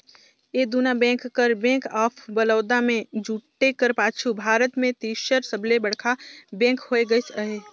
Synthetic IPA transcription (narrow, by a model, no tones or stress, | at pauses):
eːd̪unabɛ̃ːkːəɾbɛ̃ːkaːpʰbəlɔːd̪amẽd͡ʒuːʈːekəɾpaːt͡ʃʰubʱaːɾət̪mẽt̪iːʃəɾsəblebəɽkʰabɛ̃ːŋkhoːeɡəsəɦeː